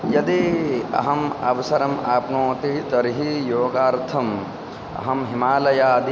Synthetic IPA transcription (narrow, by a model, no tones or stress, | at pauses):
jɐd̪iɐ̰ɦɐmɐ̰ʋɐsɐɾɐmaːpnoːt̪it̪ɐɾiɦijoːɡaːɾt̪ʰɐm | ɐ̰ɦɐmɦimaːlɐjaːd̪i